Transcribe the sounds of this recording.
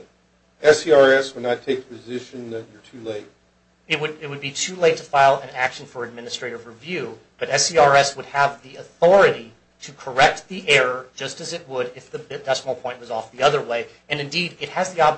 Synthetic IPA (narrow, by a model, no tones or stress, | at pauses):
ɛsiɑɹɛswədⁿnətʰeɪk̚ðəpʰɨzɪʃɨ̃nðɨt͡ʃə˞tʰʉleɪt̚ | ɨt̚wɨɾɪt̚wɨd̚bitʰʉleɪtʰəfaɪlˠɨ̃nækʃn̩fə˞ɨd̚mɪ̃nɨstɹ̥eɪɾɨvɹivjʉ | b̥ʌɾɛsiɑɹɛswəd̚əvðiɨθɔɹɨɾi | ɾɨkʰə˞ɛk̚t̪̚ðiʔɛɹə˞d͡ʒʌstɨzɨt̚wəɾɪfðɨbɨdɛsml̩ˠpʰɔ̃ɪ̃nt̚wʌzɔfðiʌðə˞weɪ | ɨ̃nɨ̃ndiɾɨt̚hɨzðiɑb